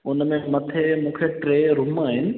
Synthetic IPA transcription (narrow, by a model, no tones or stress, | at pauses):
ʊnmẽmɐt̪ʰemũːkʰeʈɾeːɾʊmaːɦɪnɪ̆